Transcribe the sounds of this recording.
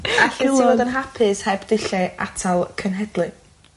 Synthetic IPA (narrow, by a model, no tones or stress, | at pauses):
aɬilodənɦapʰɨshɛbd̥ɪɬɛʔatʰalˠkʰənɦɛd̥lˠɨ